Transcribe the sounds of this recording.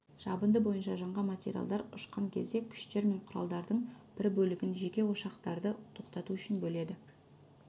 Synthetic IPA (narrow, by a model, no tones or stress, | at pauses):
ʒ̥ɑbənd̪əbo̞jənʃɑʒɑɴʁɑmat̪ʲḛɾʲija̰lˠd̪ɑɾʊʃqɑŋkʲʰe̞̰zd̪e̞kʲʰʏ̥ʃt̪e̞ɾme̞ɴqʰʊɾɑ̰lˠd̪ɑɾd̪əɴb̥ɪɾbɵlɪɡʲɪnʒe̞kʲe̞wo̞ʃɑqt̪ɑɾd̪ət̪ʰo̞qt̪ɑt̪uʏʃɪnbɵle̞d̪ɪ